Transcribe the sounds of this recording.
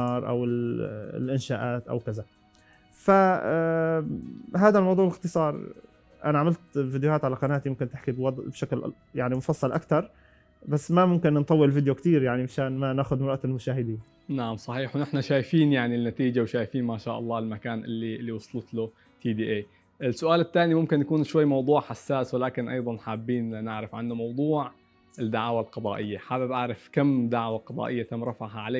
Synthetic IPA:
ɑːɾˤʔa̰wɪl̰lʔɪnʃaːʔaːt̪ʔa̰wkaza | fa | ɦaːd̪almɑwd̪ˤuːʕɪlɪqt̪ɨsˤɑːɾˤ | ʔanaʕamalt̪vid̪johaːt̪ʕalaqɑnaːt̪ijmʊmkɪnt̪ɪħkibwɑd̪ˤbʃakl | jaʕnimʊfɑsˤːɑlʔa̰kt̪ɑɾˤ | basːmamʊmkɪnnt̪ˤɑwːɪlvid̪jokt̪iːɾjaʕnimaʃaːnmanaːxʊd̪mɾˤʔat̪ɪlmʊʃaːhɪd̪iːn | naʕamsˤɑħiːħwnɪħnaʃaːjfiːnjaʕnilnːat̪iːd͡ʒawʃaːjfiːnmaːʃaːʔɑlˤːɑːɪlmakaːnʔɪ̰lːiɪlːiwɑsˤlt̪lʊ | t̪ʰiːd̪iːʔeː | ʔɪsːʊʔaːlɪt̪ːaːnimʊmkɪnjakuːnʃwajːmɑwd̪ˤuːʕħasːaːswɪlaːkɪnʔɑ̰jðˤɑnħaːbːiːnnɪʕɾɪfʕanːamɑwd̪ˤuːʕ | ɪd̪ːaʕaːwalqɑd̪ˤɑːʔɪjːaħaːbɪbʔaʕɾɪfkamːd̪aʕwaqɑd̪ˤɑ̰ːʔɪjːat̪amɾɪfaɦaʕaleː

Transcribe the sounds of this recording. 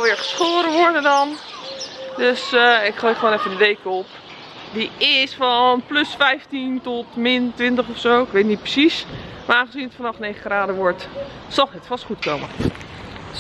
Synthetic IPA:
lˠʋɪːɹχə̥sχoːɾəʋɔɹdəndɑn | døsɪkχleːχʋonɛfəndəʋejkəɔp | diɪsfɔnplɵsfɛjftintɔtmɪntʋɪntəχɔfsowɪkʋejtnit̚prə̥sismaɹaːnχəzinətfɑnɑχnejχəχraːdəʋɔɹtsɑlˠnɛtfɑstχutkowmə

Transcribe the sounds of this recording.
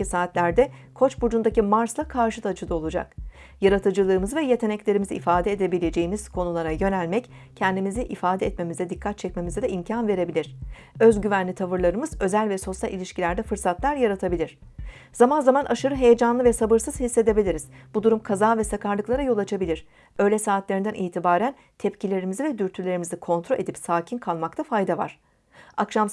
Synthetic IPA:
isaːt̪lʲæɾd̪ɛkʰo̞t͡ʃbud͡ʒund̪acimaɾslˠakʰaɾʃɯt̪ʰat͡ʃʰɯd̪ˠɯo̞lˠud͡ʒa̰k | jaɾat̪ʰɯd͡ʒɯlˠɯːmɯzvɛje̞t̪ʰe̞nɛclʲe̞ɾimiziːfaːd̪ɛːd̪e̞bilʲe̞d͡ʒe̞jimiz̥kʰo̞nulˠaɾajø̞nælʲmɛc | cʰɛnd̪imiziʔifaːd̪ɛːt̪me̞mizɛd̪ikʰːat̪̚t͡ʃʰɛcme̞mizɛd̪ɛimcʰanve̞ɾe̞bilʲiɾ̥ | ø̞zɟyvænlʲit̪ʰavɯɾlˠaɾɯmɯzø̞zælʲvɛso̞sjalʲʔilʲiʃcilʲæɾd̪ɛfɯɾsat̪lˠaɾjaɾat̪ʰabilʲiɾ̥ | zamanzamanʔaʃɯɾɯɦe̞jed͡ʒanlˠɯvɛsabɯɾsɯz̥hisːe̞d̪e̞bilʲiɾiz̥bud̪uɾumkʰazaːvɛsakʰaɾlˠɯklˠaɾajo̞lˠat͡ʃʰabilʲiɾ̥ | ø̞jlʲɛsaːt̪lʲeɾind̪ænʔiːt̪ʰibaːɾæn | t̪ʰɛpcʰilʲe̞ɾimizivɛd̪yɾt̪ʰylʲeɾimizɛkʰo̞nt̪ʰɾoe̞d̪ipsaːcʰinkʰalˠmakt̪ʰafajd̪ava̰ɾ̥ | akʃam

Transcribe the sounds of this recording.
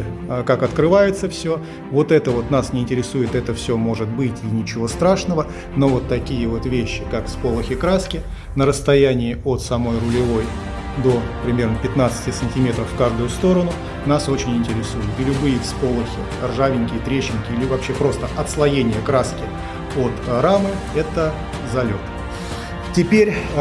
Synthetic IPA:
əkakɐt̪kɾɨvajɪt̪səfsʲɵ | vo̞t̪ɛt̪əvo̞t̪nasnʲɪɪnʲtʲɪɾʲɪsujɪt̪ɛt̪əfsʲɵmo̞ʐɨt̪̚bɨtʲɪnʲɪt͡ɕɪvo̞st̪ɾaʂnəvə | no̞vo̞t̪ːɐkʲijəvo̞t̪vʲeɕːɪkakspo̞lˠəxʲɪkɾaskʲɪ | nəɾəst̪ɐjænʲɪːo̞t̪sɐmo̞jrʊlʲɪvo̞j | d̪o̞pɾʲɪmʲe̞rnəpʲɪt̪nat̪sɨ̥tʲɪsənʲtʲɪmʲe̞t̪ɾəfːkaʐd̪ʊjʊst̪o̞ɾənʊ | naso̞t͡ɕɪnʲɪnʲtʲɪɾʲɪsujɪt̪ɪlʲʊbɨjɪspo̞lˠəxʲɪ̰ | rʐavʲɪnʲkʲɪjət̪ɾʲeɕːɪnʲkʲɪilʲɪvɐpɕːe̞pɾo̞st̪əʔɐt̪slˠɐjenʲɪjəkɾaskʲɪ | o̞t̪ɾamɨ | ɛt̪ə | zɐlʲot̪ | tʲɪpʲeɾʲ

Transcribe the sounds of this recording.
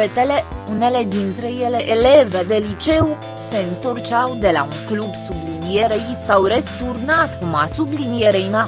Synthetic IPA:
et̪ele̞une̞le̞d̪int̪ɾe̞je̞le̞ʔele̞ve̞d̪e̞lit͡ʃe̞w | se̞ɨnt̪o̞rt͡ʃawd̪e̞la̰uŋklubsublinijeɾejisawrest̪urnat̪kuma̰sublinijeɾejna

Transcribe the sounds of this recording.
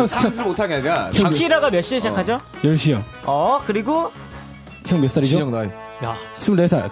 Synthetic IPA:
sʰɯɾmotʰaɡeɲkaʌkʰiɾaɡamjʌɕ͈iɯɕʰid͡ʑakʰad͡ʑojʌɭɕ͈ijo | ʌkɯɾiɡo | kʰjʌŋmjʌs͈aɾid͡ʑoŋnaj | ja̰s͈ʰɯmɭtesʰa̰

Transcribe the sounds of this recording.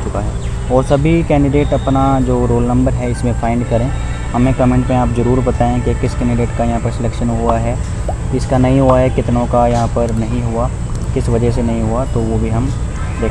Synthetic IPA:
t͡ʃʊkaɦɛː | ɔːɾsɐbʱikɛ̃ːɳɖɪɖeːʈɐpnad͡ʒoːɾoːlnɐ̃mbəɾɦɛɪsmẽfʰãːɪ̃ɳɖkɐɾẽ | ɦɐmẽkɐmẽːɳʈmẽaːpzɐɾuːɾbɐt̪aːẽkekɪskɛ̃ːɳɖɪɖeːʈkajɐɦãpɐɾsɪlɛːkʃənɦuaɦɛ | ɪskanɐɦĩɦuaɦɛkɪt̪nõkajɐɦãpɐɾnɐɦĩɦʊa | kɪsʋɐd͡ʒɛsenɐɦĩɦuat̪oʋobʱiɦɐm | d̪eː

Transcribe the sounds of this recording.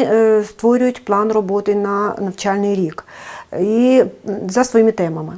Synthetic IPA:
st̪ʋɔɾʲʊjʊtʲplˠɑnrɔbɔt̪ɪnɐnɐwt͡ʃɑlʲnɪjɾʲik | izɐsʋɔjimɪt̪ɛmɐmɪ

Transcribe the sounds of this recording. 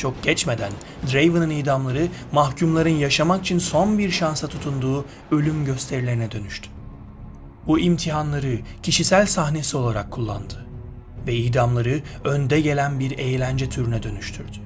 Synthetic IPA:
t͡ʃʰo̞kɟ̥ɛt͡ʃme̞d̪æn | d̪ɾejvɯnɯnijd̪amlˠaɾɯmahcʰumlˠaɾɯnjaʃamaki̥t͡ʃʰinso̞nbiɾʃansat̪ʰut̪ʰund̪uː | ø̞lʲymɟø̞st̪ʰe̞ɾilʲe̞ɾinɛd̪ø̞nyʃt̪ʰy̥ | buʔimt̪ʰiɦanlˠaɾɯcʰiʃisælʲsaɦne̞sio̞lˠaɾakʰːulˠːa̰nd̪ɯ | vɛijd̪amlˠaɾɯønd̪ɛɟe̞lʲænbiɾe̞jlʲænd͡ʒɛt̪ʰyɾynɛd̪ø̞nyʃt̪ʰyɾd̪̥y̥

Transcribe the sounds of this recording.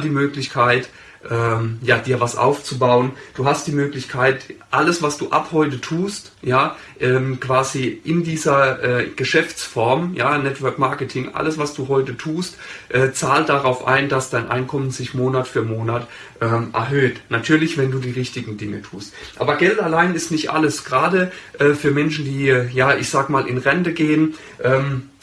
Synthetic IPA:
diːmøːklɪçkʰaɪt | ʔɛːmjaːd̥iːɐvasʔa̰ʊft͡subaʊənd̥uːɦast̚d̥iːmøːklɪçkʰaɪtʔaləsv̥asd̥uːʔa̰phɔʏtətʰuːst | jaː | ʔɛːmkv̥aːziʔɪndiːzɐʔɛːɡ̥əʃɛft͡sfɔɐmjaːnɛtv̥œɐkmaɐkətʰɪŋʔa̰ləsv̥asd̥uːɦɔʏtətʰuːstʔɛːt͡saːltd̥aʁaʊfʔa̰ɪndasd̥aɪnʔa̰ɪnkʰɔmənzɪçmoːnatfyːɐmoːnat | ʔɛːmʔɛ̰ɐɦøːtnatʰyːɐlɪçv̥ɛnduːdiːʁɪçtɪɡŋ̩dɪŋətʰuːstʔa̰ːbɐɡɛltalaɪnɪstnɪçtʔa̰ləsɡ̥ʁaːdəʔɛːfyːɐmɛnʃn̩diːjaːʔɪçz̥aːɡəmaːlʔɪ̰nʁɛndəɡeːən | ʔɛːm

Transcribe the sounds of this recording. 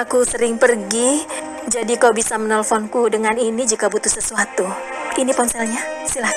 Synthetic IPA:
akusəɾɪŋpərɡi | d͡ʒadikaubisamənəlfɔnkudəŋaninid͡ʒikabut̪uhsəsuat̪u | inipɔnsɛlɲasilah

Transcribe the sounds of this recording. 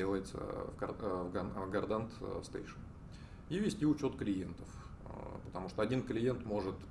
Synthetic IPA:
elˠəjɪt̪sə̰vɡɐvɡɐɡɐrd̪ant̪st̪ḛjʂən | ivʲɪsʲtʲiʊt͡ɕo̞t̪klʲɪjent̪əfpə̥t̪ɐmuʂt̪oɐdʲinklʲɪje̞nt̪mo̞ʐɨt̪

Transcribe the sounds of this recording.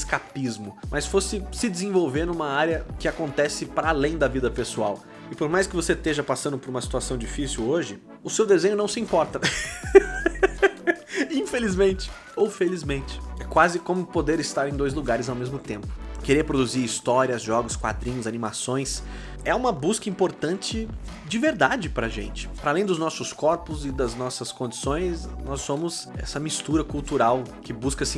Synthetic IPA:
ɪskapizmʊmʔɐsfosɪsɪd͡ʒɪzẽvowveɾnũmɐaɾjɐkɪakõnt̪ɛsɪpɾɐalẽj̃d̪ɐvid̪ɐpesua̰w | ɪpoɾmajskɪvoset̪eʒɐpasɐ̃nd̪ʊpoɾũmɐsi̥t̪uasɐ̃w̃d͡ʒifisiwoʒɪ | ʊsewd̪ezẽɲʊnɐ̃w̃sɪĩpɔɾt̪ɐ | ĩfelizmẽnt͡ʃɪ̥ | owfelizmẽnt͡ʃɪ̥ɛkwazɪkõmʊpod̪eɾɪst̪aɾẽj̃d̪ojzluɡaɾɪzawmezmʊt̪ẽmpʊ̥keɾeɾpɾod̪uziɾist̪ɔɾiɐzʒɔɡʊskwa̰d̪ɾĩɲʊzanimasõj̃s | ɛũmɐbuskɐĩpoɾt̪ɐ̃nt͡ʃɪ | d͡ʒɪveɾd̪ad͡ʒɪpɾɐʒḛ̃nt͡ʃɪ̥pɐɾɐalẽj̃d̪ʊznɔsʊskɔɾpʊzɪd̪ɐznɔsɐskõnd͡ʒisõj̃snɔsːõmʊzɛ̰sɐmist̪uɾɐkuwt̪uɾawkɪbuskɐsĩ

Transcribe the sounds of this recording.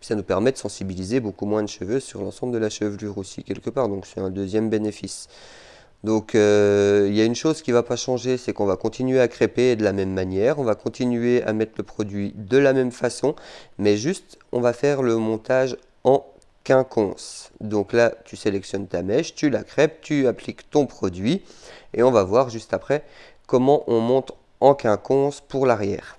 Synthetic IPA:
sanupɛʁmɛd̪əsɑ̃sibilizebokumwɛ̃d̪əʃəvøzsyʁlɑ̃sɑ̃bld̪əlaʃəvlyʁosḭkʲɛlkəpaːʁd̪ɔ̃ksɛt̪ɛ̃d̪øzjɛmbenefis | d̪ɔ̃køiljaynʃozkʲivapaʃɑ̃ʒesɛkɔ̃vakɔ̃t̪ʰinɥeakχeped̪əlamɛmːanjɛʁɔ̃vakɔ̃t̪inɥea̰mɛt̪χləpχɔd̪ɥid̪əlamɛmfasɔ̃mɛʒyst̪ɔ̰̃vafɛʁləmɔ̃t̪aʒ | ɑ̃ | kʲɛ̃kʰɔ̃sd̪ɔ̃klat̪yselɛksjɔnt̪amɛʃt̪ylakχɛp̚t̪yaplikt̪ɔ̃pχɔd̪ɥieɔ̃vavwaʁʒyst̪apχɛ | kɔmɑ̃ʔɔ̃mɔ̃t̪χ | ɑ̃kʲɛ̃kʰɔ̃spuʁlaʁjɛ̰ːʁ

